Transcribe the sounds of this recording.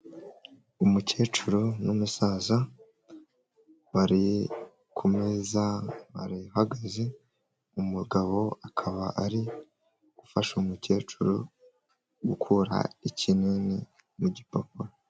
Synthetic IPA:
umuce̞ːt͡ʃuɾonumusaːza | βaɾi | kʰomezaβa̰ɾihaɡaze | umuɡaβo̞akʰaβaʔaɾi | ɡ̥ufaʃumuce̞ːt͡ʃuɾo | ɡukʰuɾa̰icineni | muɟipopuɾo

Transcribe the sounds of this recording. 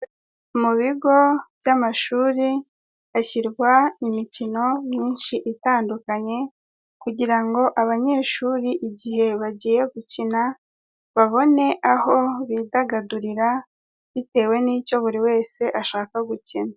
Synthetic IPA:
muβiɡo̞β̥jamaʃuːɾi | açiɾɡwaimicino̞mɲiːnʃiʔitaːndukaɲe̞ | kuɟiɾaŋɡo̞ʔaβaɲe̞ːʃuːɾiʔiɟihe̞βaɟiːje̞ɡucina | βaβo̞ne̞ʔaho̞βiːdaɡaduɾiɾa | βite̞ːwe̞niːco̞βuɾiwe̞ːse̞ʔaʃaːkaɡucina

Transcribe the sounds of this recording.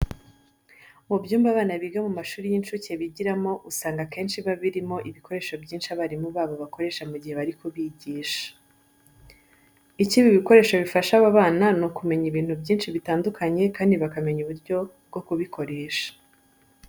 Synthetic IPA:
mubjuːmbaβaːnaβiɡamumaʃuːɾijinʃuceβiɟiɾamo̞ʔusaːŋɡakeːnʃiβaβiɾimo̞ʔiβiko̞ɾe̞ːʃo̞bjiːnʃiaβaɾimuβaːβo̞βako̞ɾe̞ːʃamuɟihe̞βaɾikuβiɟiːʃḁ | iciβiβiko̞ɾe̞ːʃo̞βifaʃaβaβaːnanokume̞ɲiβiːn̥hubɟiːnʃiβitaːndukaɲe̞kaːndiβakame̞ɲuβuɾɟo̞bɡo̞kuβikʰo̞ɾe̞ːʃḁ

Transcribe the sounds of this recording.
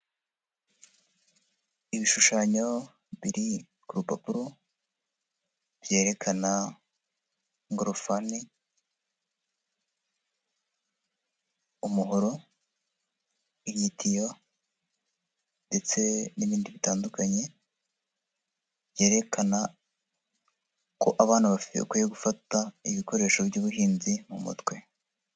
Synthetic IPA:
iβiʃuʃaːɲo̞ | βiɾi | kuɾupa̰puɾo | bje̞ːɾe̞kʰana | ŋɡɾofani | umuɦoɾo̞ | ijitʰija | nde̞t͡se̞niβiːndiβitaːndukaɲe̞ | bje̞ːɾe̞kʰana | ko̞ʔaβaːn̥aβakojeɡufataiβiko̞ɾe̞ːʃo̞bɟuːβuɦiːnzimṵmṵtwe̞

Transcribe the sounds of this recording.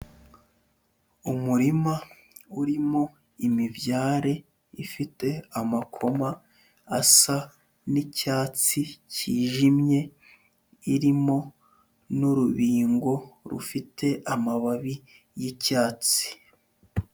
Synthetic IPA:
umuɾima | uɾimo̞ | imivjaːɾe̞ | ifite̞amakʰo̞maː | sa | nicaːt͡siciːʒimɲe̞ | iɾimo̞ | nuɾuβiːŋɡo̞ɾṵfitʰe̞ʔamaβaβi | jicaːt͡si̥

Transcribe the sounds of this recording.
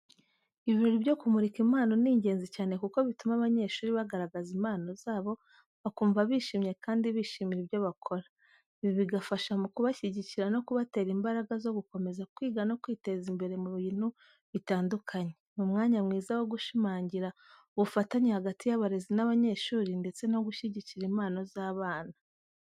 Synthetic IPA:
iβiβiːnuɾiβjo̞kumuɾikimaːno̞niːɲɟe̞ːnzicaːnekuko̞βitumaβaɲe̞ʃuːɾiβaɡaɾaɡazimaːno̞zaːβo̞ | βakuːɱvaβiʃiːmɲe̞kaːndiβiʃiːmiɾiβjo̞βakʰo̞ɾa | βiβiɡafaʃamukuβaʃiɟiciɾano̞kuβate̞ːɾimbaɾaɡazo̞ɡuko̞me̞zakwiːɡano̞kwiːte̞zimbe̞ɾe̞muɾujinu | βitaːndukʰaɲemumŋaːɲamŋiːzawo̞ɡuʃimaːɲɟiɾa | uβufataɲehaɡatijaβaɾe̞zinaβaɲe̞ʃuːɾinde̞t͡se̞no̞ɡuʃiɟiciɾimaːno̞zaːβaːna

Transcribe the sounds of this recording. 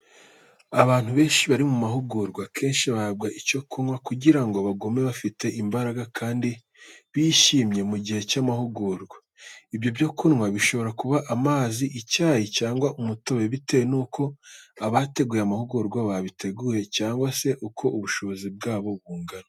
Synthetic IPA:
aβaːn̥huβe̞ːnʃiβaɾimumahuɡuːɾɡwakʰe̞ːnʃiβab̚ɡaʔico̞kunŋwakuɟiɾaŋɡoβaɡome̞βafite̞ʔimbaɾaɡakʰaːndi | βiʃiːmɲe̞muɟihe̞camahuɡuːɾɡwa | ibjo̞bjo̞kunŋwaβiʃo̞βo̞ɾakuβaʔamaːziʔicaːjicaːŋɡwaʔumuto̞βe̞βite̞wenuːkʰo̞aβate̞ɡuːjeamahuɡuɾɡwaβaβitʰe̞ɡuːje̞caːŋɡwase̞ʔukʰo̞ʔuβuʃo̞βozib̚ɡaːβo̞βuːŋɡana

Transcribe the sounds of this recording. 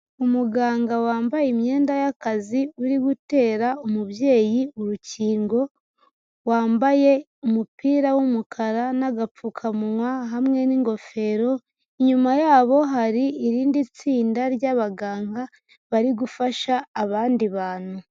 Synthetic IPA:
umuɡaːŋɡawaːmbajimɲe̞ːndajakaziuɾiɡute̞ːɾaumuβje̞ːjiuɾuciːŋɡo̞ | waːmbaje̞ | umupiːɾawumukʰaɾanaɡap͡ffukʰamuwaɦamŋe̞niŋɡo̞fe̞ɾo̞ | iɲumajaːβo̞ɦaɾiːɾiːndit͡siːndaɾɟaβaɡaːŋɡa | βaɾiɡufaʃaːβaːndiβaːn̥u

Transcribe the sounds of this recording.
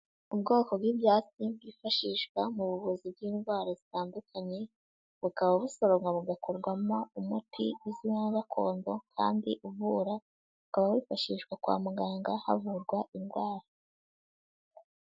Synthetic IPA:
ubɡo̞ːko̞bɡibjaːt͡sib̚ɡiːfaʃiːʃkwamuβuβuzib̚ɡiːnɡwaːɾazitaːndukʰaɲe̞ | βukaβauβuso̞ɾo̞ŋɡaβuɡakʰoɾɡwamo̞umutʰḭwiziwaɡakʰo̞̰ːndo̞kʰa̰ːndiʔuvuɾa | βukaβaβwiːfaʃiʃwakwa̰ːmuɡaːŋɡaha̰vuɾɡwaʔinɡwaːɾa

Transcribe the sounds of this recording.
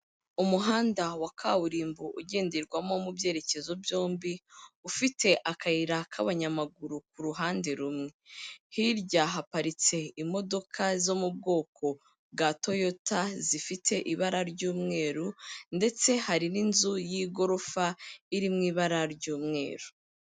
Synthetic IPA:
umuɦaːndawakʰawuɾiːmbuʔuɟe̞ːndiɾɡwamo̞mubje̞ːɾe̞ce̞zo̞bjo̞ːmbiufitʰe̞ʔakʰaiɾakʰaβaɲamaɡuɾuk̚uɾuɦaːnde̞ɾumŋe̞hiɾɟaɦapaɾit͡se̞imo̞do̞kʰazo̞mub̚ɡo̞ːkʰo̞ | ɡato̞jo̞tazifitʰe̞ʔiβaɾaɾɟuːmŋe̞ːɾunde̞t͡se̞haɾininzujiɡo̞ɾo̞faiɾimŋiːβaɾaɾɟuːmŋe̞̰ːɾu̥

